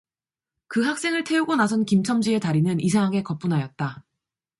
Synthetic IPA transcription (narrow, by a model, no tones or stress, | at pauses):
kɯɦak̚s͈e̞ŋɯɭtʰe̞uɡonasʰʌnkimt͡ɕʰʌmd͡ʑie̞taɾinɯnisʰaŋɦaŋe̞kʌp͈unɦajʌt̚t͈a